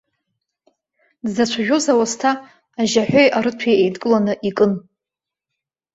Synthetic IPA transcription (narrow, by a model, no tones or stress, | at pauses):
dzat͡ɕʷʰaʒʲᶣozawastʰaː | ʒaħʷᶣojʔaɾɨtʷʰijejdkʼɨlanɨʔikʼɨn